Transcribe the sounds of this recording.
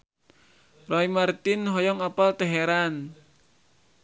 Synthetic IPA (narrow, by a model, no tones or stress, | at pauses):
rɔimart̪ɪnɦɔjɔŋapalt̪əɦeɾan